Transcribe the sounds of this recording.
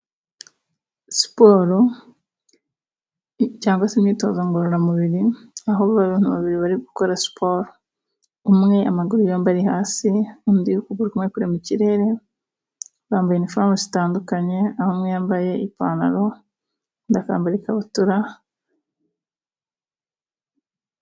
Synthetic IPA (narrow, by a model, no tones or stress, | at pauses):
si̥poɾo | caːŋɡwasemɲiːto̞̰ːzaŋɡoɾoɾamuβiɾiaɦoββaβuːnhuβaβiɾiβaɾiɡuko̞ɾasi̥pʰoɾo | umŋe̞amaɡuɾujoːmbaɾihaːsiundiukuɡuɾikumŋe̞kuɾemuciɾe̞ɾe̞ | βaːmbajenifɾaːmozi̥taːndukaɲe̞ahomŋejambaje̞ipa̰na̰ɾo̞ | ndaka̰ːmbaɾikaβutuɾa